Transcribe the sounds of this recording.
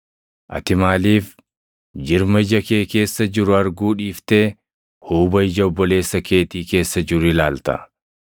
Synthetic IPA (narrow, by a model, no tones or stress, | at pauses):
ʔɐ̰t̪ɪmaːliːf | d͡ʒɪɾmɐɪd͡ʒɐkeːke̞ːsːɐd͡ʒɪɾʊɐɾɡuːᶑiːft̪e̞ː | huːbɐɪd͡ʒɐɔbːɔle̞ːsːɐkeːt̪iːke̞ːsːɐd͡ʒɪrɪlaːlt̪ɐ̰